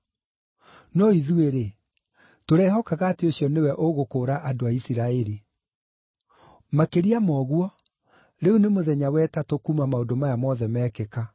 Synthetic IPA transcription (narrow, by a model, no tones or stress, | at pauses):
nɔiðueɾe | toɾɛːɦɔkaɣateosijɔnewɛʔoɣokoːɾaʔadoaisiɾaeɾi | makeɾiamɔɣwɔ | ɾeunemoðɛɲawɛtatokumamaodomajamɔðɛmɛkeka